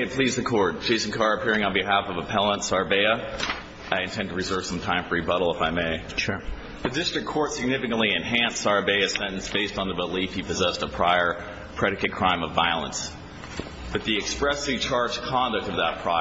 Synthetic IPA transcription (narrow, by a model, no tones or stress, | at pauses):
ɪpʰl̥izðɨkʰɔɹd̚d͡ʒeɪsn̩kʰɑɹɨpʰɪɹɪ̃ŋə̃nbiɦæfʌvəpʰɛlˠə̃ntsɑɹbeɪɨ | aɪɨ̃ntʰɛ̃ntəɹɨzɜ˞v̥sʌ̃mtʰãɪ̃ɱfə˞ibʌɾl̩ˠəfaɪmeɪ | ʃ | ðɨdɪstɹ̥ɨkʰɔɹtsɨɡ̚nɪfɨkɨ̃nʔliɨ̃nɦæ̃nsɑɹbeɪɨsɛ̃ɾ̃n̩sb̥eɪstn̩ðəbəlifhipɨzɛstəpʰɹ̥aɪə˞ | pʰɹ̥ɛɾɨkɨt̚kʰɹ̥ãɪ̃mʌvaɪl̩ˠə̰̃ns | b̥ʌt̪̚ðiɨkspɹɛsɨv̥t͡ʃʰɑɹd͡ʒkʰɑ̃ndɨk̚tʌvðət̚pʰɹ̥a